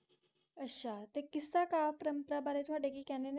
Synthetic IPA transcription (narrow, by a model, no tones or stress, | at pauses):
əɕat̪ekisakapɾəmpɾabaɾetʋaɖekikɛnen